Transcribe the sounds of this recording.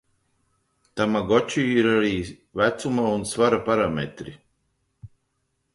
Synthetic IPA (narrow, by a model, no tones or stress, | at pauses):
t̪amaɡɔt͡ʃiːiɾaɾiː | væt̪sumaunsvaɾapaɾamɛ̰t̪ɾḭ